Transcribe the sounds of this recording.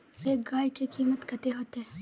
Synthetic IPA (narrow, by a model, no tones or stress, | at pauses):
eːk̚ɡaːjkekiːmət̪kət̪eɦoːt̪ɛ